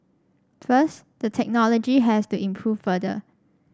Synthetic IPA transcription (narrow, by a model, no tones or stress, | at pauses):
fəs | dətʰɛk̚nɔlod͡ʒiɦɛstuʔĩmpʰɹuffədə̰